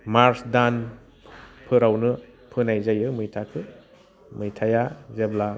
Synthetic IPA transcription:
maɾsdan | pʰɯɾawnɯpʰɯnajzajɯmɯjtʰakʰɯ | mɯjtʰajazebla

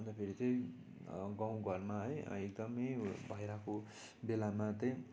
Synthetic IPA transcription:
ʌnd̪apʰeɾit͡sʌ̃j̃ | ɡãw̃ɡʱʌrmaɦʌjek̚d̪ʌmʌjbʱʌjɾako | belamat̪ʌ̃j

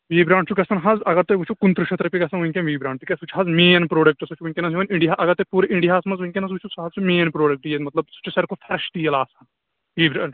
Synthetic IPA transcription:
ʋiːbɾãːɳʈt͡ʃʰukʲɐsɐnɦɐzɐɡɐɾt̪eʋut͡ʃʰukunt̪ɾɨʃʰɐt̪ɾɐpikɐsɐnʋuiŋʲkʲenʋiːbɾãːɳt̪ikʲesut͡ʃʰɦɐzmeːnpɾoːɖɐk̚ʈɐsut͡ʃʰʋuiŋʲkʲenɐsiʋɐniɳɖiaʔɐɡɐɾt̪epuːɾeʔiɳɖiɦaːsmɐzʋuiŋʲkʲenɐs̬ut͡ʃʰusɦɐzt͡ʃʰumeːnpɾoːɖɐk̚ʈjemɐt̪lɐb̚sɐ̥t͡ʃʰɐsɐɾkopʰɐɾʃʈ̪ijɐlaːsɐn | ʋiːbɾaːɳ

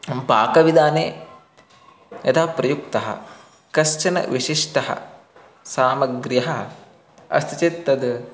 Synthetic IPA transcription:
mpaːkɐʋid̪aːneː | jɐt̪ʰaːpɾɐjuk̚t̪ɐɦɐ̰ | kɐʃt͡ʃɐnɐ̰ʋiʂiʂʈɐɦɐ̰ | saːmɐɡɾjɐɦɐɦɐ | ɐ̰st̪ɐt͡ʃit̪ːɐd̪

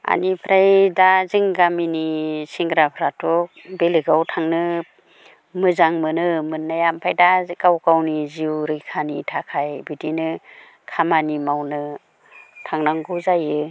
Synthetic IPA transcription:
a̰nipʰɾajdaziŋɡaminisiŋɡɾapʰɾatʰɔk̚belɯɡawtʰaŋnɯ | mɯzaŋmɯnɯmɯnːajampʰajdakawkawniziwɾɯjkʰanitʰakʰajbitinɯ | kʰamanimawnɯ | tʰaŋnaŋɡɯwzajɯ

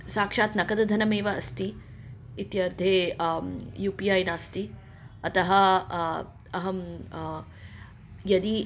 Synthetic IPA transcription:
saːkʂaːt̪nɐkɐd̪ɐd̪ʱɐnɐmeːʋɐːst̪i | it̪jɐɾd̪ʱeː | juːpijaːjnaːst̪i | ɐt̪ɐɦɐ | ɐɦɐm | jɐd̪i

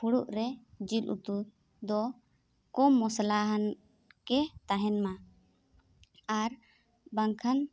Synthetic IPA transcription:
puɽuʔɾɛd͡ʒilṵt̪u | d̪ɔ | kɔmɔslaɦan | kɛt̪aɦɛnma | aɾ | baŋkʰan

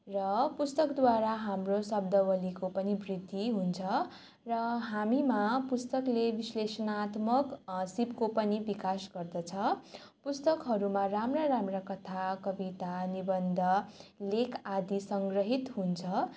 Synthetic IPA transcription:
rʌpust̪ʌkd̪waɾaɦamrosʌbd̪ʌbʌlikopʌnibrid̪ʱːiɦunt͡sʰʌ | rʌɦamimapust̪ʌklebislesʌnat̪mʌksibkopʌnibikasɡʌrd̪ʌt͡sʰʌ | pust̪ʌkɦʌɾumaramraɾamrakʌt̪ʰakʌbit̪anibʌnd̪ʱʌlekʰad̪isʌŋɡrʌɦit̪ɦunt͡sʰʌ

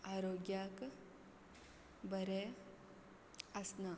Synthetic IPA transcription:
aːɾoːɡjaːk | bɐɾe | ɐsna

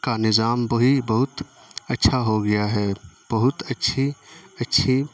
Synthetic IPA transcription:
kanɪzaːmbɐɦibɐɦʊt̪ | ətːʃʰaɦoɡɐjaɦɛːb̥ɐɦʊt̪ɐtːʃʰiɐtːʃʰi

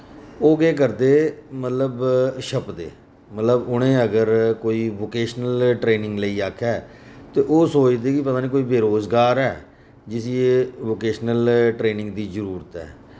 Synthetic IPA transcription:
oːɡeːk̬əɾd̪eːmət̪ləbʃəpd̪ḛː | mət̪ləbʊɽ̃ẽːəɡəɾkoːiːʋoːkeːʃnəlʈɾeːnɪ̃ŋɡləiːaːkʰɛːt̪eːʔoːsoːt͡ʃd̪eːkɪpət̪aːniːkoːiːbeːɾoːzɡaːɾɛː | d͡ʒɪsieʋoːkeːʃnəlʈɾeːnɪ̃ŋɡd̪iːzəɾuːɾət̪ɦɛ̰ː

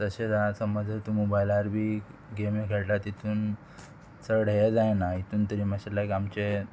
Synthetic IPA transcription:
t̪əɕed͡zasəməd͡zʱət̪umobajlaɾbʱiːɡemekʰeɭʈat̪it̪ʰuːn | t͡səɾɽ̤jed͡zajnait̪uːnt̪əɾiːməɕalakamt͡ɕe

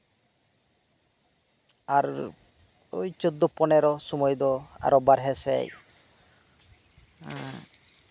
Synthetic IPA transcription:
aɾ | ojt͡ʃod̪ːɔpɔnɛɾɔsumɔjd̪ɔa̰ɾɔbaɾɦɛsɛ̰j

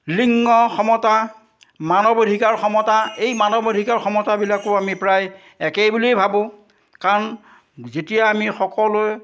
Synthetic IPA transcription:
liŋːɔxɔmɔta | manɔbodʱikaɹxɔmɔtaejmanɔbodʱikaɹxɔmɔtabilakʊamipɹaj | ɛkejbulejbʱabʊ̃ | kaɹɔn | zetijaːmixɔkɔlʊj

